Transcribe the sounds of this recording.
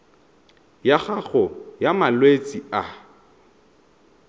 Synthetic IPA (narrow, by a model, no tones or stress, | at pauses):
jaχaɣɔjamalwet͡sʼia